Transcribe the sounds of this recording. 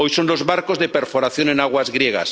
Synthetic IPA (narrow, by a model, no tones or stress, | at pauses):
ojsonlozβaɾkozðepeɾfoɾaθjo̞nẽnaɣwazɣɾjeɣ̞a̰s